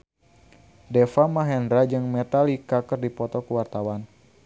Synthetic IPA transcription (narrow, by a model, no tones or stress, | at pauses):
dɛfamaɦɛndɾad͡ʒɨŋmɛt̪alikakɨrdipɔt̪ɔkəwart̪awan